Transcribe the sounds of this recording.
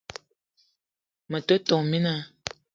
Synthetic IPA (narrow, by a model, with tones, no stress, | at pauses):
mə˨tə˦tɔ˨ŋmi˦na˦